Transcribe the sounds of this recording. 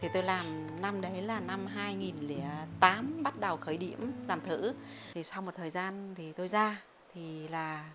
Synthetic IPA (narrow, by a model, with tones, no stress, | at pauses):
t̪ʰi˨˩t̪o˧jlaː˨˩mna˧mɗə˨˦jlaː˨˩na˧mɦaː˧jŋi˨˩nli˨˦ət̪aː˨˦mɓa˦˥t̚ɗə˨˩wxəː˨˦jɗḭ˧˨əmlaː˨˩mt̪ʰɨ̰˧˥ | t̪ʰi˨˩sa˧wmo˨˩t̚t̪ʰəː˨˩jzaː˧nt̪ʰi˨˩t̪o˧jzaː˧ | t̪ʰi˨˩laː˨˩